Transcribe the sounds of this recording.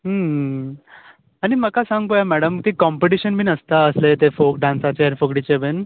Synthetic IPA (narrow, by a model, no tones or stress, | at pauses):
ɦəɦə | aɽ̃iməkasãŋɡ̚t̪ojamɛɽəmkikɔmpeʈiɕənbʱiːnəst̪aəslet̪efok̚ɖãnsat͡ɕeaɾfəɡɽit͡ɕeben